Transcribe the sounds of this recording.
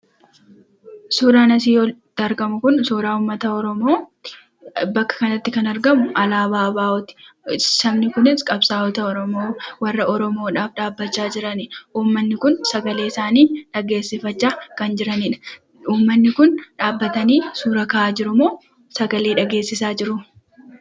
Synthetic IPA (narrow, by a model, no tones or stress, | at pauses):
suːɾaːnɐs̬iːjoːt̪ɐɾɡɐmʊkʊnsoːɾaːʊːmːɐt̪ɐɔɾɔmo̞ː | bɐkːɐ̥kɐnɐt̪ːɪkɐnɐɾɡɐmʊʔɐlaːbaːbaːɔt̪ɪ̥sɐmnɪkʊnɪskʼɐbsaːɔt̪ɐɔɾɔmoːwɐrːɐɔɾɔmoːᶑaːfᶑaːbːɐt͡ʃːaːd͡ʒɪɾɐnɪuːmːɐnːɪkʊnsɐɡɐle̞ːɪsaːniːᶑɐɡe̞ːsːɪfɐt͡ʃːaːkɐnd͡ʒɪɾɐnɪᶑɐ̥ | uːmːɐnːɪkʊnᶑaːbːɐt̪ɐniːsuːɾɐkɐʔaːd͡ʒɪɾʊmoː | sɐɡɐleːᶑɐɡe̞ːsːɪsaːd͡ʒɪɾʊ